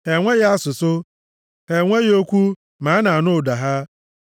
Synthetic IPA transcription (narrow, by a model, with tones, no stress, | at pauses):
hɛ˨ŋʷɛ˦jɪ˦a˦sʊ˨sʊ˦ | hɛ˨ŋʷe˦jo˦kʷu˦ | mãː˨˦nã˨a˨nʊ̃˦˨da˨ɦa˦